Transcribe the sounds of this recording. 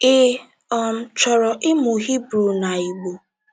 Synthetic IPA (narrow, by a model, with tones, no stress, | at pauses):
ɪ˦ | ɔ˨m̩˦t͡ʃɔ˨ɾɔ˨ʔɪ˦mu˨ɦi˦bɾu˨na˨i˨ɡ͡bo˨